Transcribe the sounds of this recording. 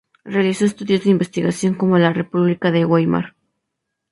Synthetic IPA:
realiso̞est̪uðjo̞zðeimbe̞st̪iɣasjo̞ŋko̞mo̞lare̞puβlikaðeɣwajma̰ɾ

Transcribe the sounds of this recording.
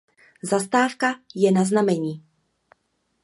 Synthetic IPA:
zast̪aːfkajɛnaznamɛɲiː

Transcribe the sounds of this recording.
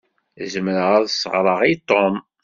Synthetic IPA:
zəmɾəʁæðsːə̰ʁɾˤəʁit̪ːom

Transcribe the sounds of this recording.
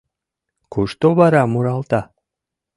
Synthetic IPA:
kuʃt̪oβɑɾɑmuɾɑlˠt̪ɑ

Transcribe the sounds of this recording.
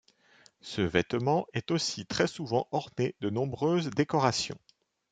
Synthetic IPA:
səvɛt̪mɑ̃ɛt̪osit̪χɛsuvɑ̃ʔɔʁned̪ənɔ̃bʁøzd̪ekɔʁasjɔ̰̃

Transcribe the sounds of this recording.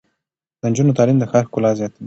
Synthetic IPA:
d̪ənd͡ʒunut̪alimd̪əxakulaziat̪

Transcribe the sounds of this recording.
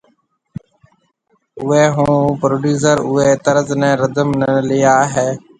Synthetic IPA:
ʊeːɦũːpɾoːɖjuːs̬əɾʊeːt̪əɾəznɛ̃ːɾəd̪əmnəlɪjaːɦeː

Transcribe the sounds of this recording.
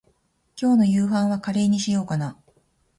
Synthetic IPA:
kʲo̞ːno̞jɯːɦãɰ̃βakaɾe̞ːɲ̟iɕijo̞ːkana

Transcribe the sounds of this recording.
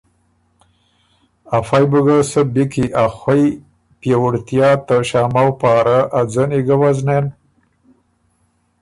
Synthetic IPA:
afajbəɡasəbikiʔaxwaj | pjawuɽt̪jɑt̪əʃamawpaɾaʔːd͡zəniɡəwaznen

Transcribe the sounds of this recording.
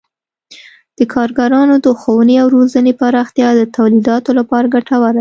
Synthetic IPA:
d̪̥əkʰɑɾɡaɾɑnod̪əxowəneawɾozənepaɾɑxt̪jɑd̪ət̪awlid̪ɑt̪olapɑɾaɡaʈawaɾ

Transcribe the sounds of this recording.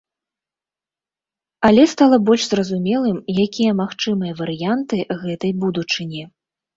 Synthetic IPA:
ɐlʲɛst̪alˠɐbɔlʲʂzrɐzumʲɛlˠɨmjakʲijɐmaxt͡ʂɨmɨjɐvɐɾɨjant̪ɨɣɛt̪ɐjbud̪ut͡ʂɨnʲi

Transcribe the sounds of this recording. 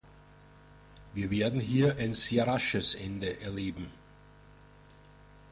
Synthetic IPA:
viːɐveːɐdn̩ɦiːɐʔaɪnz̥eːɐʁaʃəsʔɛndəʔɛɐleːbm̩

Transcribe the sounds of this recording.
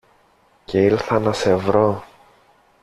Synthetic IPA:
ce̞iɾθɐnɐse̞vɾo̞

